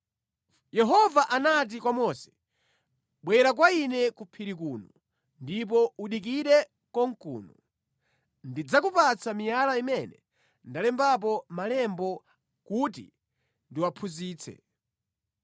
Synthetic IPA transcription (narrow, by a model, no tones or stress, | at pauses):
jɛɦɔvaʔanat̬ikwamɔsɛ̥ | ɓwɛɾak̬wainɛkupʰiɾik̬uːnu | ndip̬ɔuɗik̬iɾɛ | kɔŋkṵːnu | ndid͡zakupat͡samijalaimɛnɛ | ndalɛmbap̬ɔmalɛmbɔ | kutḭ | ndiwapʰuziːt͡sʰɛ̰